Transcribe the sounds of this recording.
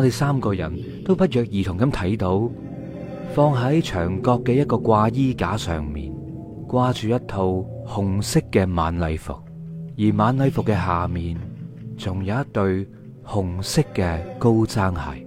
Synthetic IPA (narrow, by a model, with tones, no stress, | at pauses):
ŋɔː˨˧t̪e˨jsaː˥mkɔː˧jɐ̰˨˩n | t̪o˥wpɐ˥t̚jœː˨k̚jiː˨˩t̪ʰʊ˨˩ŋkɐ˨˥mt̪ʰɐ˨˥jt̪o˨˧˥w | fɔː˧ŋɦɐ˨˥jt͡ʃʰœ̰ː˨˩ŋkɔː˧kːɛː˧jɐ˥t̚kɔː˧kʷwaː˧jiː˥kaː˨˥sœ̰ː˨ŋmḭː˨n | kwaː˧t͡ʃyː˨jɐ˥tt̪ʰo˧whʊ˨ŋsɪ˥kːɛː˧maː˨˥nlɐ˨˧jfʊ̰˨k̚jiː˨˩maː˨˧nlɐ˨˧jfʊ˨kːɛː˧ɦaː˨miː˨nt͡sʊ˨˩ŋjɐ˨˧jɐ˥t̪ɵ˧ɥ | hʊ˨˩ŋsɪ˥kːɛː˧ko˥wt͡saː˥ŋhɐ̰˨˩j